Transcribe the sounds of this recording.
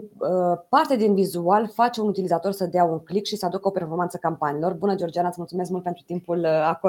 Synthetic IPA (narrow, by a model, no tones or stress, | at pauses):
əpart̪ed̪invizualfat͡ʃeunut̪ilizat̪o̞rsəd̪eauŋklikʃisəad̪ukəo̞pe̞rfo̞rmant̪səkampaniːlo̞rbunəd͡ʒeo̞rd͡ʒianət̪smult̪sumeskmult̪̚pent̪ɾut̪impulako